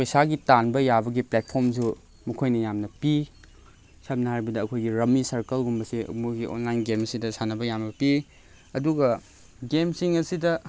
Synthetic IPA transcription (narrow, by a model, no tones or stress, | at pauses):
pojsaɡitanbɐjabɐɡiplet̚pʰoɾmsu | mukʰojnɐjamnɐpi | sɐp̚nɐɦaɾibɐdɐːkʰojɡiɾɐmisɐɾkɐlɡumbɐsḭmuɡiʔo̰nlajnɡemɐsidɐsanɐbɐjambɐpi | ɐduɡɐ | ɡemsiŋɐsidɐ